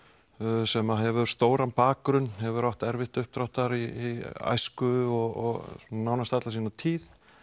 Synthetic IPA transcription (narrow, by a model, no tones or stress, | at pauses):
sɛmaɦɛvʏst̪oːwɾanpaːkɾʏnhɛvʏɾawht̪ɛɾvɪht̪ʏhp̚t̪ɾawht̪aɾia̰jskʏɔɣɔ̰nawnast̪at̪lasinat̪ʰiːð